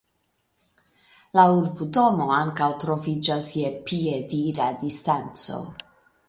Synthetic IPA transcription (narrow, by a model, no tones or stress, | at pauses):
lauɾbudo̞mo̞aŋkawtɾo̞vid͡ʒasjepiediɾadistant͡so̞̰